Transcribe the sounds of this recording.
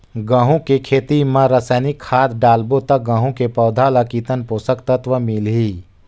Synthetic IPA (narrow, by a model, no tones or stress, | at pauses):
ɡãːɦũkekʰeːt̪imãɾəsəːnikʰːaːd̪ɖaːlbot̪ɐk̚ɡãːɦũkepɔːd̪ʱaːlakiːt̪ənpoːsəkt̪ət̪ʋəmilɦiː